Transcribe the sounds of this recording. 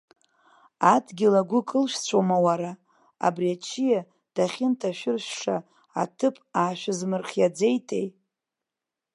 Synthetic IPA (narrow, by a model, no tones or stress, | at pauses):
adɡʲɪlaɡʷʊkʼɨlʃᶣt͡sʷʰomawaɾa | a̰briat͡ʃʰija | d̥aχʲɪntʰaʃᶣɪrʃᶣʂa | a̰tʰɨpʼaːʃᶣɪzmɨrχʲjad͡ze̞jtʰʼe̞̰j